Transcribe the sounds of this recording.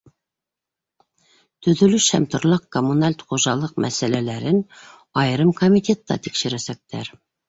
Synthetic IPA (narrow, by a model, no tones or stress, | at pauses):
t̪ɵ̆ðɵ̆lɵʃhæmt̪ŏɾlˠɑqkomunalʲt̪χuʒɑlˠɤq̚mæsælælæɾɘn | ɑjɾɤmkomʲit̪ʲet̪ːɑ̰t̪ikʃɘ̆ɾæsæk̚t̪æɾ